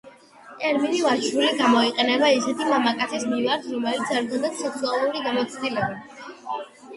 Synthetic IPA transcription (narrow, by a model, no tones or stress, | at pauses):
ɛɾminivat͡ʃʰɾuliɡamɔiqʼɛnɛbaisɛt̪ʰimamakʼat̪sʰismivaɾt̪ʰɾɔmɛlit̪saɾɡ̪and̪at̪sɛk̪sualˠuɾiɡamɔt̪sʰd̪ilɛba